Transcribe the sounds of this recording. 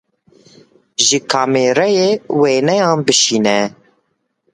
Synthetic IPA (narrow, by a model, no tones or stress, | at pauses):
ʒɨkʰaːmeːɾɛjeːweːnɛjɑ̃ːnbɨʃiːnɛ